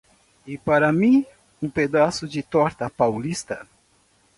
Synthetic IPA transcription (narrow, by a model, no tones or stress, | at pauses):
ɪpaɾɐmĩ | ũped̪asʊd͡ʒɪt̪ɔɾt̪ɐpawlist̪ɐ